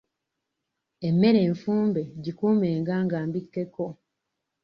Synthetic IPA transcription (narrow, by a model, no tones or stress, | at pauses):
e̞mːe̞ɾe̞ːɱfuːmbe̞ɟikuːme̞ːŋɡaːŋɡaːmbikːe̞ko̞